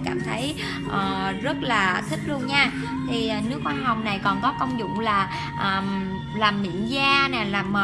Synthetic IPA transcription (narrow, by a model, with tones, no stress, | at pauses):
kaː˧˩mt̪ʰə˨˦j | ʔəː˨˩zə˦˥t̚laː˨˩t̪ʰï˦˥k̟̚lu˧ənɲaː˧ | t̪ʰi˨˩ʔəː˨˩nɨ˦˥ək̚xwaː˨˧˦ɦa˨˩wŋ͡mna˨˩jkɔ˨˩nkɔ˨˦kə˧wŋ͡mzʊ̰˧˨ŋ͡mlaː˨˩ | ʔəː˨˩m | laː˨˩mːḭ˧˨ənzaː˧nɛ˨˩laː˨˩mːə˨˩